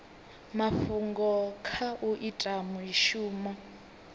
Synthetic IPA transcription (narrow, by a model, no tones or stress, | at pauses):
mafuŋɡɔkʰaʔuʔitʼamuiʃuːmɔ